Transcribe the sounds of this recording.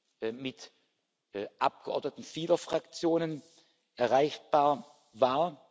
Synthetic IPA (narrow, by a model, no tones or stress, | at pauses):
mɪt | ʔap̚ɡ̥əʔɔ̰ɐdnətn̩fiːlɐfʁ̥akt͡sjoːnən | ʔɛɐʁaɪçb̥aːɐ | vaːɐ